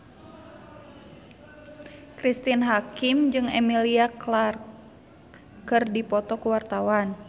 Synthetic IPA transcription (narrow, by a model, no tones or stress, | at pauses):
kɾist̪inɦakimd͡ʒɨŋɛmiliaklar | kɨrdipɔt̪ɔkuwart̪awan